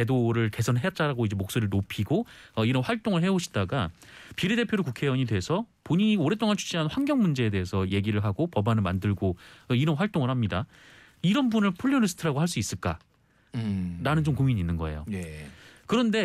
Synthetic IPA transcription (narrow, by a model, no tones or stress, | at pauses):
t͡ɕe̞doɾɯɭke̞sʰʌnɦe̞jʌt̚t͡ɕ͈aɾaɡoid͡ʑe̞mok̚s͈oɾɯɭnopʰiɡoʌiɾʌnɸwaɭt͈oŋɯɭɦe̞oɕʰi̥daɡapiɾede̞pʰjodɾokukʰe̞wʌɲidwe̞sʰʌpoɲiioɾe̞t͈oŋant͡ɕʰu̥ɕ͈ʰiɦanɸwaŋɡjʌŋmund͡ʑe̞ːde̞esʰʌje̞ɡiɾɯɭɦaɡopʌbanɯɭmandɯɭɡoiɾʌnɸwaɭt͈oŋɯɭhamɲida | iɾʌnbunɯɭpʰuʎːʌɾɯsʰɯ̥tʰɯɾaɡohaɭs͈uis͈ɯɭk͈a̰ | ɾanɯnt͡ɕomkomiɲiːnːɯnɡʌ̰e̞̰jo̰kɯɾʌnde̞